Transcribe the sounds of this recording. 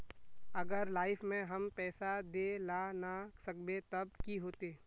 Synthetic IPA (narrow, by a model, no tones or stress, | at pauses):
ɐɡəɾlaːɪfmẽɦɐmpɛːsad̪eːlanasɐk̚bet̪ɐb̚kiɦoːt̪eː